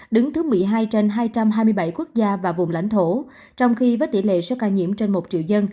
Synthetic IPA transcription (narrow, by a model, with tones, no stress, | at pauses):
ɗɨ˨˦ŋt̪ʰɨ˨˦mɨ˨˩əjɦaː˧jt͡ɕe˧nɦaː˧jt͡ɕa˧mɦaː˧jmɨ˧əjɓa˧˩jku˦˥k̚zaː˧vaː˨˩vʊ̰˨˩ŋ͡mla̰˧˥jŋ̟t̪ʰo˧˩ | t͡ɕɔ˧wŋ͡mxi˧vəː˨˦jt̪ḭ˧˩lḛ˧˨sɛ˧˦kaː˧˩ɲḭ˧˨əmt͡ɕe˧nmo˨˩t̚t͡ɕḭ˧˨əwzə˧n